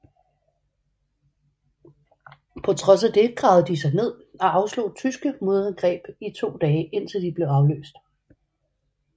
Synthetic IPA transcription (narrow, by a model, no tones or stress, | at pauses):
pʰɒ̽t͡sʰʁɒ̽s̬æd̥e̝ɡ̥ʁɑ̈ʊð̩ˠəd̥isɑ̈ɪne̝ð̰ˠɒ̽ʔɑ̈ʊslo̝̰ːt͡sʰysɡ̥əmo̝ðˠɐænɡ̥ʁɛ̰ːb̥it͡sʰo̝̰ːd̥ɛːʔe̝n̰t͡sʰe̝ld̥ib̥le̝ʊɑ̈ʊlø̰ːsd̥